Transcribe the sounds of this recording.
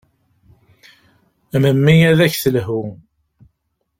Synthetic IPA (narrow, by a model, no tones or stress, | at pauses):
məmːijæðæçθəlɦu